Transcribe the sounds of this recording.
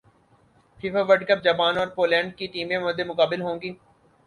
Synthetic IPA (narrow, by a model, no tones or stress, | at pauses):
fʰiːfaʋəʈkəp̚d͡ʒɐpaːnɔːɾpoːlɛ̃ːɳɖ̚kiʈiːmẽmʊd̪emʊkaːbɪlɦõːŋɡiː